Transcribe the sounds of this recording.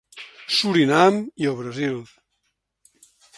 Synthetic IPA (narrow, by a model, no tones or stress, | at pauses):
suɾinamiəβɾəzilˠ